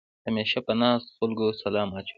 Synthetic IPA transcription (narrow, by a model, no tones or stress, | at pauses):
hameʃapənɑːst̪xʊlɡosalɑːmɑt͡ʃ